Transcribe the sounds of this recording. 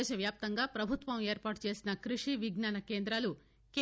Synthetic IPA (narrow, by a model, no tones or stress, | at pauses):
ʃɐʋjaːp̚t̪ɐŋɡaːpɾɐbʱut̪ʋɐme̞ːɾpaːʈt͡ʃe̞ːsinɐkɾiʂiʋiɡnaːnɐke̞ːnd̪ɾaːlu | ke